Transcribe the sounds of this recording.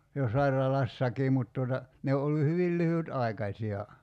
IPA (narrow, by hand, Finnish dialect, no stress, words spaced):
jo sɑirɑlɑsːɑkiː mut tuotɑ ne o olːu hyʋil lyhytɑi̞kɑsʲiɑ